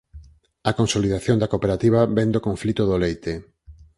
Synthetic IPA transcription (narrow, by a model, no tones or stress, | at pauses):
akonsoliðaθjõnd̪akopeɾat̪iβ̞aβɛnd̪okoɱflit̪oðolejt̪e